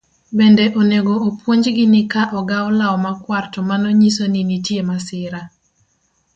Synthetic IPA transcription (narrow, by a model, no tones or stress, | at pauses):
bendeʔoneɡoːpwoɲd͡ʒɡɪnɪkaʔɔɡaɔlaɔmakwartɔmanɔɲisoninitjemasɪɾa